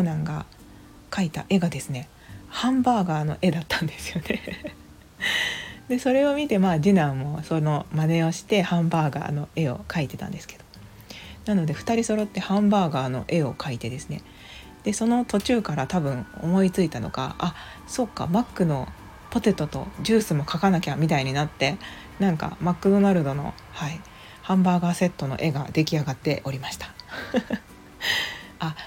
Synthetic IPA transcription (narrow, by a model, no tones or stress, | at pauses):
onãŋɡa̰ | kait̪a̰ʔe̞ɡad̪e̞sɨne̞ | hãmbaːɡaːno̞ʔe̞d̪at̪ːãnd̪e̞sɨ̥jo̞ne̞ | d̪e̞so̞ɾe̞o̞mʲit̪e̞maːd͡ʑinãmːo̞so̞no̞mane̞o̞ɕi̥t̪e̞hãmbaːɡa̰ːno̞e̞o̞̰kait̪e̞t̪ã̰nd̪e̞sɨ̥ke̞d̪̥o̞ | nano̞d̪e̞ɸɯ̟̥t̪aɾʲiso̞ɾo̞t̪ːe̞hãmbaːɡaːno̞̰ʔe̞o̞kʰait̪e̞d̪e̞sɨne̞̰ | d̪̥e̞so̞no̞t̪o̞t͡ɕɨːkaɾat̪abɯ̟̃ɴŋ̃o̞mo̞it͡sɨit̪ano̞̰ɡa̰a | so̞kːa̰makːɯ̟no̞ | po̞t̪e̞t̪ːot̪o̞̰d͡ʑɨːsɨmo̞kakanakʲamʲit̪aiɲ̟inat̪ːe̞ | nãŋka̰makːɯ̟d̪o̞naɾɯ̟d̪o̞no̞̰ | hai | hãmbaːɡase̞t̪ːo̞no̞̰ʔe̞ɡa̰d̪e̞kʲiaɡat̪ːe̞ʔo̞ɾʲimaɕi̥t̪ḁ | a